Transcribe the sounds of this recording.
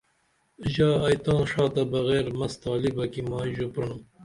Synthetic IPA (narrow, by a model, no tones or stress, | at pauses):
ʑɑːɐjt̪ɑ̃ːʂɑːt̪ɐbɐɣeːɾmɐst̪ɑːlibɐkimɑːʒupɾunu